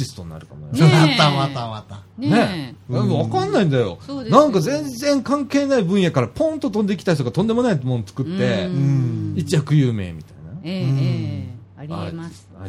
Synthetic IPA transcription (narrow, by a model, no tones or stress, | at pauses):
ɕisɨ̥t̪o̞ɲina̰ɾɯ̟kanajat̪amat̪aβat̪aneβakãnːaĩnd̪ajo̞̰nãŋkazẽ̞nzẽ̞ŋkãŋke̞ːnaibɯ̟̃ɰ̃jakaɾapõ̞nt̪o̞t̪ond̪eikʲi̥t̪aiç̬t̪oɡat̪õ̞nd̪e̞mo̞naimont͡sɨ̥kɯ̟t̪ːe̞ | it͡ɕijakɯ̟jɯːme̞̰ːmʲit̪aina | a̰ɾḛ